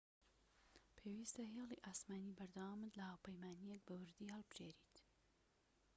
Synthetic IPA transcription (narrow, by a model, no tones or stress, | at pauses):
pʰewist̪ɐɦelˠiʔaːsmaːnibɐɾd̪awamɨd̪lɐhaːwpəjmaːnijek̚bɐwɨɾd̪ihɐlˠbɨʒ̥eːɾit̪